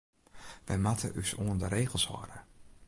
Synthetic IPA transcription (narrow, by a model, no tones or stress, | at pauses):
ʋɛjmatʰəʔysoəndəɾejɣəlˠshɔ̰ɾə